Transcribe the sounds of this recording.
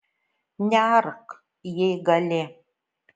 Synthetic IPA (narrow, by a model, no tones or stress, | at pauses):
nʲaːrk | jejɡɐlʲe